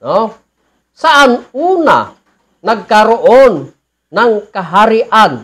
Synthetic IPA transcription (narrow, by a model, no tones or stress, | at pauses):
no | saʔanuna̰ | naɡ̚kaɾoʔonː | aŋkaɦaɾiʔan